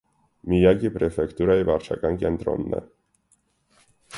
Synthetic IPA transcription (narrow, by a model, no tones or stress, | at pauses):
mijakʲipɾɛfɛkt̪uɾaivaɾʂa̰kaŋkʲiɛnt̪ɾɔ̰mnɛ̰